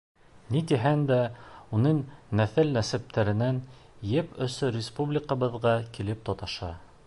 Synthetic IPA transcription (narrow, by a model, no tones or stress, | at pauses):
nit̪iɦænd̪æunɤɴnæθɘlːæsæp̚t̪ʰæɾɘ̆nænjɘpɵ̆sɵɾʲɪspublʲɪkɑβɤ̆ðʁɑkilɘp̚t̪ɒt̪ɑʃɑ